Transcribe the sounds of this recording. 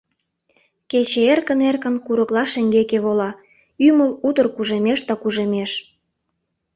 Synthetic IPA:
ket͡ɕeerkə̆nerkə̆nkuɾə̆klɑʃĕŋɡekeβolɑ | ymə̆lud̪ə̆rkuʒemeʃd̪ɑkuʒemeʃ

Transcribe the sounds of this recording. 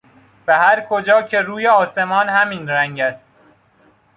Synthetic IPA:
væhæɾkʰod͡ʒɒːcʰe̞ɾuːjeɒːse̞mɒːnhæmiːnɾæŋɟæst̪̚

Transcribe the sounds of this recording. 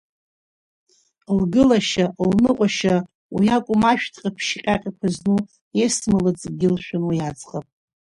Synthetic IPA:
lɡɨlaʃalnɨqʷʼaʃa | wijakʷʼʊmaʃᶣtʰʼqʲʼapʰʃqʲʼaqʲʼikʷʰaznu | esmɨlɨt͡sʼɡʲɪlʃᶣʊnwijad͡zʼqʼapʼ

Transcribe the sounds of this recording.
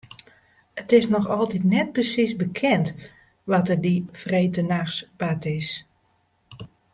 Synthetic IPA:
ətɪsnɔxɔlˠtitnɛt̚prəsisbəkʰɛnt | ʋɔtədifrejtənaxsbatɪs

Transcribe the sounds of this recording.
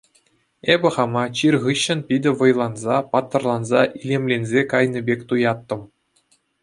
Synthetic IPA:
ebʲɘ̆χɑmɑt͡ɕirʲʁɯɕːɘ̆npʲidʲɘ̆ʋɤ̆jlˠɑnzɑpɑt̪ːɤ̆rlˠɑnzɑʔilʲemlʲenʲzʲekɑjnʲɤ̆bʲekʲt̪ujɑt̪ːɤ̆m

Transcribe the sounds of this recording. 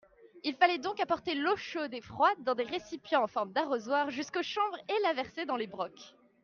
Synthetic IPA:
ilfalɛd̪ɔ̃kapɔʁt̪eloʃod̪efχwad̪ːɑ̃d̪eʁesipjɑ̃ːfɔʁmd̪aʁozwaʁʒyskoʃɑ̃bʁelavɛʁsed̪ɑ̃lebʁɔk

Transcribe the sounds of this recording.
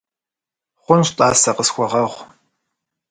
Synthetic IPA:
χʷʊnɕtʼaːsɐqəsxʷɔʁɐʁʷ

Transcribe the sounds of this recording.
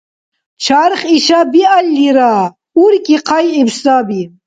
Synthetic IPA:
t͡ʃʰaɾχiɕabialːiɾa | uɾkiqʰajibst̪aːbi

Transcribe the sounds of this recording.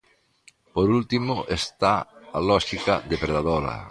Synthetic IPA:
poɾult̪imoʔest̪aalɔʃikad̪epɾeðaðɔɾa̰

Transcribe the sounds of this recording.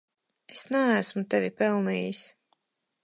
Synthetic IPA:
esnæːsmut̪ɛvʲipɛlˠniːjis

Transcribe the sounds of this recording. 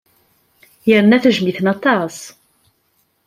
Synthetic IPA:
jəɾənæθəʒmiθənɑt̪ˤɑs

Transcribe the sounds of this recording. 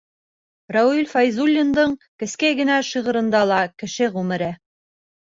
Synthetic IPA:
rɑwilʲfɑjzulʲːind̪ɤɴkɘ̆skæjɡɘ̆næʃiʁɤ̆ɾɤ̆nd̪ɑlˠɑkɘ̆ʃɘʁʉmɘ̆ɾæ

